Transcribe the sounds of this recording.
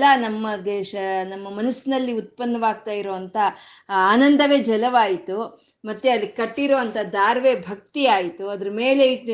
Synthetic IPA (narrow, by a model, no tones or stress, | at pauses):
lɐnɐmːɐɡenɐmːɐmɐnɐsinɐlːiut̪̚pɐnːɐʋaːɡ̚t̪aːjiɾoːʋɐnt̪ʰɐ | aːnɐnd̪ʱɐʋeːd͡ʒɐlɐʋaːjit̪u | mɐt̪ːeɐlːikɐʈːiɾoːʋɐnt̪ʰɐd̪aːɾʋebʱɐk̚t̪iaːjit̪uɐd̪ɐɾɐmeːle̞iʈ